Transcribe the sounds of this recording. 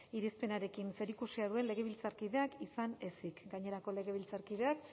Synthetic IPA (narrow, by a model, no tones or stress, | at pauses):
iɾispe̞naɾe̞kinse̞ɾikusiað̞ue̞nle̞ɣe̞βilt͡saɾkiðe̞akisane̞sikɡaɲe̞ɾako̞le̞ɣ̞e̞β̞ilt͡saɾkið̞e̞ak